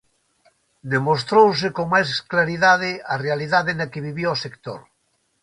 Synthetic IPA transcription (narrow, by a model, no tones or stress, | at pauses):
d̪emos̬t̪ɾows̬ekoŋmajsklaɾiðaðearealiðaðenakeβiβjoɔsekt̪o̰ɾ